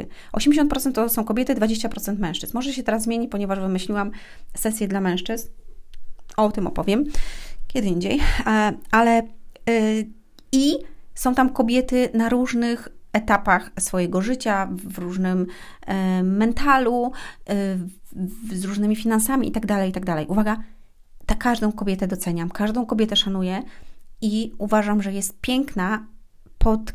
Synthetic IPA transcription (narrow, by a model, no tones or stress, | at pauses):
ʔɔ̰ɕɛmd͡ʑeɕɔ̃nt̪̚pɾɔt̪ɛnt̪ːt̪ɔsɔ̃w̃kɔbʲjɛt̪ɘd̪vad͡ʑeɕ̬t͡ɕapɾɔt̪sɛnt̪mɛ̃w̃ʂt͡ʂɘ̥̰zmɔʐɛɕɛt̪ɛɾazːmʲeɲipɔɲɛvaʐvɘmɘɕlʲiwamsɛsʲjɛd̪lamɛ̃w̃ʂt͡ʂɘzn | ɔt̪ɘmɔ̰pɔvʲjɛmkʲjɛd̪ɘiɲd͡ʑej | alɛ | isɔ̃w̃t̪amkɔbʲjɛt̪ɘnaɾuʐnɘxɛt̪apaxsfɔjɛɡɔʐɘt͡ɕavɾuʐnɘm | ɛnt̪ʰalu | zɾuʐnɘmʲifʲinansamʲiʔḭt̪aɡd̪alɛjit̪aɡ̚d̪alɛ̰jʔuvaɡa | t̪akaʐd̪ɔ̃w̃kɔbʲjɛt̪ɛd̪ɔt̪sɛɲamkaʐd̪ɔ̃w̃kɔbʲjɛt̪ɛʂanujɛ | iuvaʐamʐɛjɛst̪̚pʲjɛŋkna | pʰɔt̪